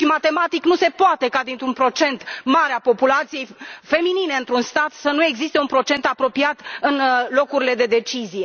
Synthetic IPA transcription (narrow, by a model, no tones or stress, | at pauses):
ʃimat̪e̞mat̪iknuse̞poat̪e̞kad̪int̪ɾunpɾo̞t͡ʃe̞nt̪maɾeapo̞pulat̪sije̞jfe̞minine̞ɨnt̪ɾunst̪at̪sənue̞ɡzist̪e̞unpɾo̞t͡ʃe̞nt̪apɾo̞piat̪ɨnlo̞kuɾile̞d̪e̞d̪e̞t͡ʃizije̞